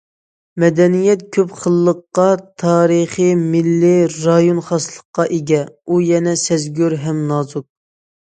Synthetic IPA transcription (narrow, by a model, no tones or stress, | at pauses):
mɛd̪ɛnijɛt̪̚kʲʰøpχəlˠːəqːɑt̪ʰɑːɾəχimilːɪɾɑjonχɑslˠə̥qːɑʔeɡʲɛujɛnɛsɛzɡʲøɾɦɛmnɑːzuk̚